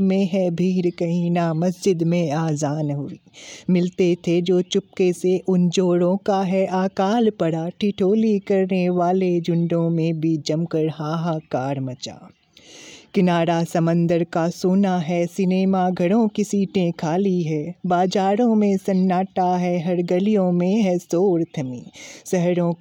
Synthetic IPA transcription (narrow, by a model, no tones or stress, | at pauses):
mẽɦɛbʱiːɾkɐɦĩnamɐsd͡ʒɪd̪mẽaːzaːnɦʊiːmɪlt̪et̪ʰed͡ʒoːt͡ʃʊp̚keseʔʊnd͡ʒoːɽõːkaɦɛʔaːkaːlpɐɽaʈʰiʈʰoːlikɐɾneʋaːled͡ʒʊ̃ɳɖõmẽbʱid͡ʒɐmkəɽɦaːɦakaːɾmɐt͡ʃa̰ː | kɪnaːɾasɐmə̃nd̪əɾkasoːnaɦɛsɪneːmaɡʱɐɽõkisiːʈẽkʰaːliɦɛːbaːd͡ʒaːɾõmẽsɐnːaːʈaɦɛɦɐɾɡəlijõmẽɦɛsoːɾt̪ʰɐmiːsɛɦɾõ